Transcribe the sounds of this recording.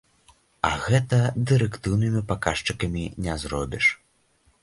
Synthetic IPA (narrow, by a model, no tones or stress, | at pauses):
ɐ̰ɣɛt̪ɐd̪ɨɾɛkt̪ɨwnɨmʲipakaʂt͡ʂɨkɐmʲinʲɛzɾɔbʲiʂ